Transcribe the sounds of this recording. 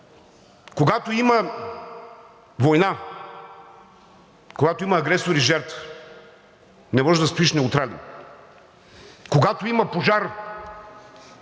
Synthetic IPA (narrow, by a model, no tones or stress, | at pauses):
koɡat̪oimɐ | vojna | koɡat̪oimɐːɡɾɛsoɾiʒɛɾt̪f | nɛmɔʒɛd̪ɐspiʃnɛut̪ɾalḭ | koɡat̪oimɐpoʒaɾ